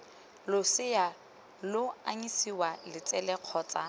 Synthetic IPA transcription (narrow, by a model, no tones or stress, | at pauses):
lʊsɪja | lʊa̰ɲisiwalɪt͡sʼɛlɛq͡χʰɔːt͡sʼa